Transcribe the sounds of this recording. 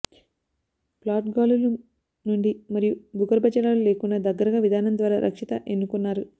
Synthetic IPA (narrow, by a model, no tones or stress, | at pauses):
plaːʈɡaːlulu | nuɳɖimɐɾijubʱuɡɐɾbʱɐt͡ʃɐɾaːlule̞ːkunːɐd̪ɐɡːɐɾɐɡaːʋid̪ʱaːnɐnd̪ʋaːɾaːɾʔɐ̰kʂit̪ɐʔenːukunːaːɾu